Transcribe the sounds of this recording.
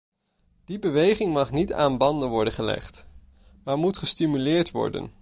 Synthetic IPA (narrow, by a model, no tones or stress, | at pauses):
d̥ibəʋejχɪŋmɑχnita̰ːnbɑndənʋɔɹdənχəlɛ̰χt | maːɹmutχəstimylɪːɹtʋɔ̰ɹdə̰n